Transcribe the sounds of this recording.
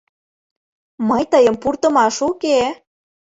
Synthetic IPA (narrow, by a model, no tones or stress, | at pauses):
məjt̪əjəmpurt̪ə̆mɑʃuke